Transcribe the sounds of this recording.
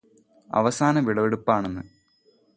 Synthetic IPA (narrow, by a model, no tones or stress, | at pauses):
ɐ̰ʋɐsaːnɐʋiɭɐʋeɽupːaːɳenːɨ